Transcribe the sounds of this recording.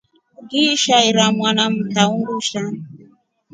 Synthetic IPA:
ɡiʃaiɾamwanam̩taunɾuʃan

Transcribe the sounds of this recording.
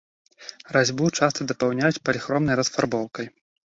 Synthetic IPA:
razʲbut͡ʂast̪ɐd̪ɐpawnʲajut͡sʲpɐlʲixɾɔmnɐjɾɐsfarbɔwkɐj

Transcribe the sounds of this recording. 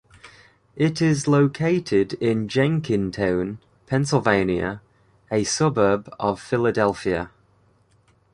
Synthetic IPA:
ɪtɪzləʊkʰeɪtʰɪdɪ̃nd͡ʒɛ̃ŋkʰɪ̃ntʰãʊ̃n | pʰɛ̃nsɪlˠvẽɪ̃njə̰ | əsʊbəbəv̥fɪlədɛlˠfiə

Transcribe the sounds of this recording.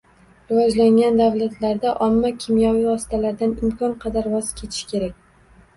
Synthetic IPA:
ɾɪvɒd͡ʒlaŋɡʲand̪avlat̪ʰlaɾd̪aʔɒmːakʲʰɪmjavivɒsɪ̥t̪ʰalaɾd̪anɪmkʰɒnqʰɑd̪aɾvɒz̥kʲʰe̞t̪ʰɪ̥ʃkʲe̞ɾakʲ

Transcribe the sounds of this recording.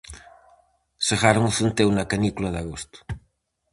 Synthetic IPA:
seɣaɾʊŋʊθent̪ewnɐkɐnikulɐðaɣost̪ʊ̥

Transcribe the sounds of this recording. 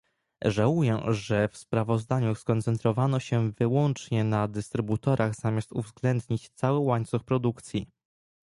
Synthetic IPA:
ʐawujɛʐɛfspɾavɔzd̪aɲuskɔnt̪sɛnt̪ɾɔvanɔɕɛvɘwɔnt͡ʂɲɛnad̪ɘst̪ɾɘbut̪ɔɾʔaɣz̥amʲast̪uvzɡlɛnd̪ɲit͡ɕt̪sawɘwaɲt̪suxpɾɔd̪ukt̪sʲji

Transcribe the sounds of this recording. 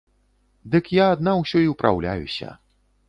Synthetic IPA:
d̪ɨkjaːd̪nawsʲɔiwpɾʔa̰wlʲajṵsʲɐ̰

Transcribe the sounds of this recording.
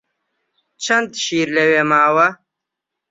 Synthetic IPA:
t͡ʃʰɐnd̪ʃiːɾlewemaːwɐ

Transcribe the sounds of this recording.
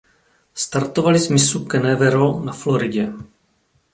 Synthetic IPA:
st̪aɾt̪ovalɪzmɪsukɛnɛvɛɾonaflo̞ɾɪɟɛ

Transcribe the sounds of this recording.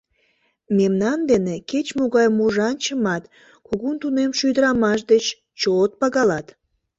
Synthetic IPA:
memnɑnd̪eneket͡ɕmoɣɑjmuʒɑnt͡ɕəmɑt̪ | kuɣunt̪unemʃyjd̪əɾɑmɑʃ̬d̪et͡ɕ | t͡ɕot̪̚pɑɣɑlɑt̪

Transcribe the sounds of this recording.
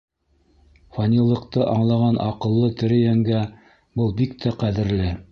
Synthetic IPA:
fɐnʲilˠːɤ̆q̚t̪ɤʔɑɴlˠɑʁɑnʔɑ̰qɤ̆lˠːɤt̪ɘ̆ɾɘjæŋɡæ | bɤlˠbikt̪ʰæqæðɘ̆ɾlɘ

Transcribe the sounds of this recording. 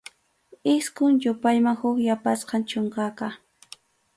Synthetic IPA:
ɪskʊŋjʊpajmaŋhʊkjapasqɑnt͡ʃʊŋkɑqɑ

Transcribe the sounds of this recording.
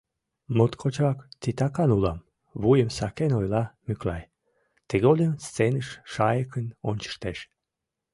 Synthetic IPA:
mot̪kʰot͡ɕɑkt͡sit̪ɑkɑnulɑm | βujəmsɑkenojlɑmyklɑ̰j | t̪eɣolʲəmst͡senəʃʃɑjəkənonʲt͡ɕə̥ʃt̪eʃ

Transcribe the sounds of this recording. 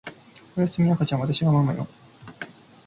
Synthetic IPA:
ojasɨmʲiakat͡ɕãβat̪aɕiβamamajo̰

